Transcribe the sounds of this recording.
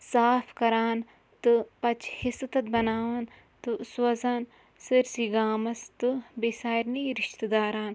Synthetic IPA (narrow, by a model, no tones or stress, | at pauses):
saːpʰkɐɾaːn | t̪ɨpɐt͡ʃhɪst̪ɐt̪̚bɐnaːʋɐn | t̪ɨswɐzaːn | sɨɾsiɡaːmɐst̪ɨbesaːjɾniɾɪʃt̪d̪aːɾaːn